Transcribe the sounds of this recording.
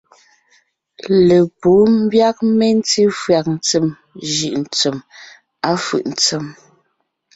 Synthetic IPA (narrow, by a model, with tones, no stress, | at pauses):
le˨po˨˦m̩˦bja˦k̚me˦n̩˦ti˦fɰa˨k̚n̩˨t͡sə˨m | ʒi˨ʔn̩˨t͡sə˨m | a˦fɯ̰˨ʔn̩˨t͡sə˨m